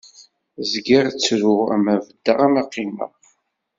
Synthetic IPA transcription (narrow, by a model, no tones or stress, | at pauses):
zɡiʁt͡sːɾʊʁæ̰mævəd̪ːəʁamaqːimə̰ʁ